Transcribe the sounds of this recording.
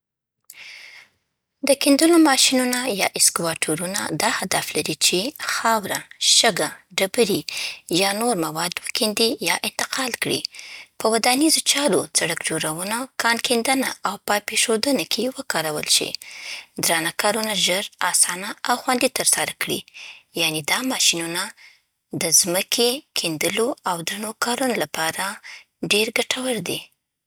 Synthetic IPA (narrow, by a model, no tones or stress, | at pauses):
d̪əkind̪əlomɑʃinunajɑ̰ʔɪskwɑʈʰuɾuna̰d̪ɑhad̪aflaɾit͡ʃexɑwɾaʃəɡaɖabəɾijɑnoɾmawɑd̪wəkind̪ijɑʔɪnt̪ɪqɑlkɽḭpəwad̪anizot͡ʃɑɾot͡saɽəkd͡ʒoɾawənakʰɑnkʰend̪ənaʔawpəpeʃod̪ənakʰewəkɑɾawə̰lʃḭd̪ɾɑnakɑɾunaʒəɾɑsɑnaawxwand̪it̪əɾsaɾakɽḭjaned̪ɑmɑʃinuna | d̪əzməkʰekʰend̪əloawd̪ɾanokɑɾunolapɑɾa | ɖeɾɡaʈʰawəɾd̪e